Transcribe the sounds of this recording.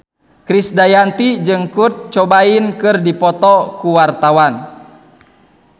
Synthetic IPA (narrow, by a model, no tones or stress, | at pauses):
kɾisdajant̪id͡ʒɨŋkut̪̚t͡ʃɔbainkɨrdipɔt̪ɔkuwart̪awan